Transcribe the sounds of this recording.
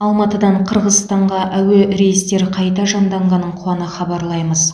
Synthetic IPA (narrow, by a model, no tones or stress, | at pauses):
ɑlˠmɑt̪əd̪ɑɴqʰəɾʁəzst̪ɑɴʁɑʔæweɾe̞jɪst̪e̞ɾqʰɑjt̪ɑʒɑnd̪ɑɴʁɑnːəɴqʰuɑnəχɑbɑɾlˠɑjməz